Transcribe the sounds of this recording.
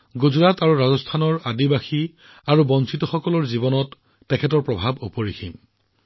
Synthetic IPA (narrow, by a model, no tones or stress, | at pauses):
ɡuzɹataɹuɹazɔstʰanɔɹadibaxi | aɹubɔnsitɔxɔkɔlɔɹzibɔnɔtː | ɛkʰɛtɔɹpɹɔbʱabopoɹixḭm